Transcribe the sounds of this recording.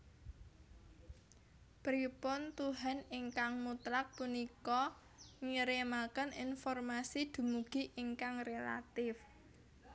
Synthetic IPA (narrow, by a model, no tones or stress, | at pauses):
pɾipʊnt̪uɦanɪŋkaŋmut̪ɾak̚punikɔ | ŋiɾemakəninfɔrmasid̪̥ṳmuɡ̥i̤ʔɪŋkaŋrela̰t̪ɪf